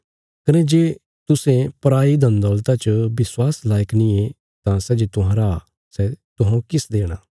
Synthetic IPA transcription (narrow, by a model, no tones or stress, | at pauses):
kənẽːd͡ʒeː | t̪ʊsẽpəɾaːid̪ə̃nd̪ɔlt̪at͡ʃəbɪswaːslaːjəknĩe | t̪ãsɛd͡ʒeːt̪ʊɦãːɾa | sɛt̪ʊɦãũkɪsd̪eːɽ̃aː